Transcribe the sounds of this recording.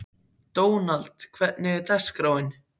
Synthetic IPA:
t̪oːwnalt̪kʰvɛt̪nɪt̪ɛskɾaːwɪn

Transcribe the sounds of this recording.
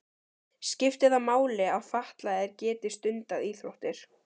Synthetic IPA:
scɪft̪ɪðamaːwlɪaðfaht̪laðɪɾcɛːt̪ɪst̪ʏnt̪aðiːθɾoht̪ɪɾ̥

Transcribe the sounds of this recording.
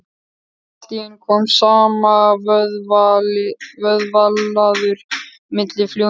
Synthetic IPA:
t̪iɪnkʰɔːmsaːma | vœðvalːaðʏɾ̥ | mɪt̪lɪfljo

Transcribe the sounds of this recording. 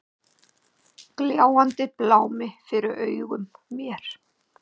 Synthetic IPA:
kljaːwant̪ɪplaːwmɪfɪɾɪɾœːɥɣʏmːjɛɾ̥

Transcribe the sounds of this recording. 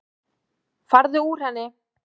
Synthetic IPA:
faɾðʏuːr̥hɛnːɪ

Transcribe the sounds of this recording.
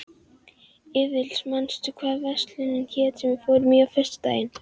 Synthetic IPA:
ɪːvɪlsmanst̪ʏkʰvɛːvɛst̪lɪnɪnçɛːt̪ɛmɪfoːwɾmiːɣafɪr̥st̪t̪a̰ːjɪn

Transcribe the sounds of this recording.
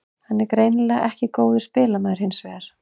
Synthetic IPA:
hanːɛɾkɾeːjnlɛaʔɛhcɪkoːwðɪ̥spɪːlamɛðɪɾ̥hɪnsvɛːaɾ̥

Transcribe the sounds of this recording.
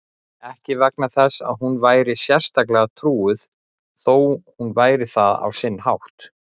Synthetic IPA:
ɛhcɪvak̚naθɛsːa̰ðɦunvaːjɾɪsjɛr̥st̪aklɛɣat̪ʰɾuːʏθ | θoːwhunvaːjɾɪθaða̰wsɪnːhawht̪

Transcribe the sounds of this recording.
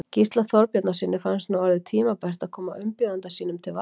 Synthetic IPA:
cist̪laθɔɾpjɛt̪nasɪnːɪfansnuwɔɾðɪt̪ʰiːmapɛr̥t̪aðkʰɔːmaʏmpjɔðant̪asiːnʏmt̪ʰɪlva

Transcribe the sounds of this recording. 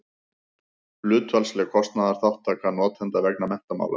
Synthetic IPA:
lʏːt̪valslɛkʰɔst̪naðaɾ̥θawht̪ʰːaːkanɔːt̪ʰɛnt̪avɛknamɛn̥t̪ama̰wla̰

